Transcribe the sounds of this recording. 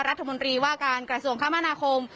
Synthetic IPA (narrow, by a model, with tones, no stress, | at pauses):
ɾa˦t̪ʰːa˧mo˧nt̪ɾiː˧waː˥˩kaː˧nkɾa˧su˧˩əŋkʰa˦˥mːa˧naː˧kʰo˧m